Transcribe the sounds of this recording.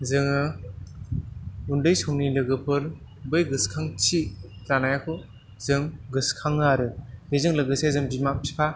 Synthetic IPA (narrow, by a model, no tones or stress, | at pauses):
zɯŋɯ | undɯjsɔŋnilɯɡɯpʰɯɾ | bɯjɡɯskʰaŋt͡ʃʰilanajakʰɯ | zɯŋɡɯskʰaŋaɾɯbezɯŋlɯɡɯsezɯŋbimap̚tʰi̥pʰa